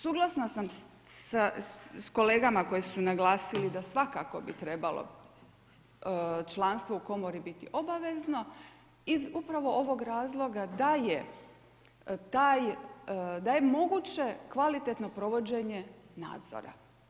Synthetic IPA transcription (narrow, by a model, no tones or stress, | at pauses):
suːɡlˠasnasam | sasko̞le̞ːɡamako̞jesunaɡlˠaːsilid̪asʋakako̞bit̪ɾe̞balˠo̰ | t͡ʃlˠanst̪ʋouko̞mo̞ɾibit̪ḭʔo̞baʋe̞zno̞ | izupɾaʋo̞ʔo̞ʋo̞ɡɾaːzlˠo̞ɡad̪aje | t̪aːj | d̪aje̞mo̞ɡut͡ɕe̞kʋalit̪et̪no̞pɾo̞ʋo̞d͡ʑe̞ɲe̞na̰ːd̪zo̰ɾa̰